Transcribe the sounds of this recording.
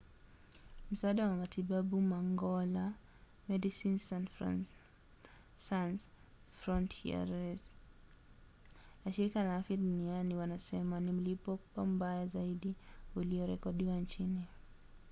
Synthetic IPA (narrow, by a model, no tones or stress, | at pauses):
m̩saaːɗawamatʰiɓaɓumaŋɡɔla | mɛdisinsan | sans | fɾɔntʰia̰ɾɛz | naʃiɾikalaafiaɗunianiwanasɛmanim̩lipɔpam̩bajazaiɗiuliɔɾɛkɔɗiwant͡ʃini